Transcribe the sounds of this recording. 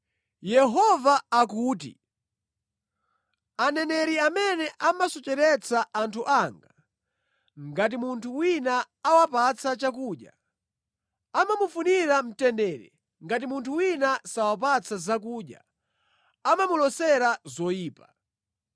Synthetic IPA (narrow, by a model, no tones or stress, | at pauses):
jɛɦɔvaːkuːt̬ḭ | anɛnɛɾiamɛnɛʔamasɔt͡ʃɛɾɛt͡saʔantʰuʔaŋɡa | ŋɡat̬imuntʰuwinaː | wapat͡sʰat͡ʃakuːɗja̰ | amamufuniɾam̩tɛndɛːɾɛ̰ | ŋɡat̬imuntʰuwinasawap̬at͡sʰazak̬uːɗja̰ | amamulɔsɛɾazɔjiːpa